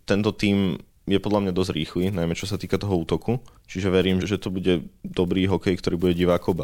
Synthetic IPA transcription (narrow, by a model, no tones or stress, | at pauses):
t̪ɛnt̪ɔt̪iːm | jɛpɔd̪lamɲad̪ɔzɟɾiːxlinajmɛt͡ʃɔsat̪iːkat̪ɔɦɔuːt̪ɔkut͡ʃiʒɛʋɛɾiːmʒɛt̪ɔbuɟɛd̪ɔbɾiːɦɔkɛjkt̪ɔɾiːbuɟɛɟiʋaːkɔʊba